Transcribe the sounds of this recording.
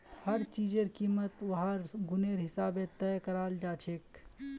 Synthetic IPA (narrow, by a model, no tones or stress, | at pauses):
həɾt͡ʃiːd͡ʒeɾkiːmət̪ʋɐɦaɾɡʊneɾɦɪsaːbẽt̪ɛjkəɾaːld͡ʒaːt͡ʃʰeːk